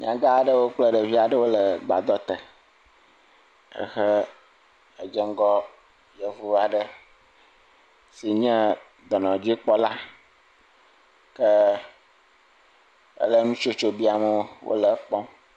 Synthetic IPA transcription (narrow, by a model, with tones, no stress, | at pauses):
mḭ̃˦˨a˨ɡa˦˨ɖə˦wo˦k͡plə˦ɖə˨vi˦a˨ɖə˦wo˦lə˨ɡ͡ba̰˨d̪ɔ˦t̪ə˨ | ə̰˦xə˦ | ə˨d͡ʒə˦ŋ˦ɡɔ˦ | je˦vu˦a˨ɖə˦ | si˨ɲɛ̃˦ | d̪ɔ˨nɔ̃˨d͡ʑi˦k͡pɔ˦la˦ | kə˦ | ə̰˦lə˦nũ˦t͡ʃo˦t͡ʃo˦bi˦a˨mə˦wʔo̰˦lə˨˦k͡pɔ̃˦